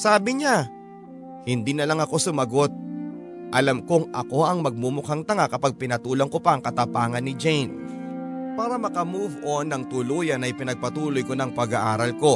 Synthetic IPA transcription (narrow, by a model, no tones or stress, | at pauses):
saːbɪɲa | hɪnd̪iːnɐlɐŋɐko̞sʊmɐɡo̞t̪̚ | ʔɐlamkoŋʔɐ̰ko̞ʔɐŋmɐɡ̚mumʊkaŋt̪ɐŋakɐpaɡ̚pɪnɐt̪uːloŋkopɐʔɐŋkɐt̪ɐpaːŋɐnːɪd͡ʒɛjn | paːɾɐmɐkɐmuvʔonːɐŋt̪ʊluːjɐnɐjpɪnɐɡ̚pɐt̪uːlo̞jko̞nɐŋpɐɡɐʔaːɾɐlko̞